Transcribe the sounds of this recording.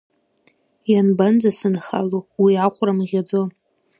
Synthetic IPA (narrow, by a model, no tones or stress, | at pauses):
janband͡zasɨnχa̰luwiaqʷʼramʁʲad͡zon